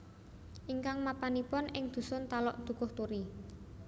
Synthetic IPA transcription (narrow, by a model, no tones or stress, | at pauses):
ʔiŋkaŋmapanipɔnɪŋd̪̥ṳsʊnt̪alɔ̰ʔd̪̥ṳkʊht̪oɾi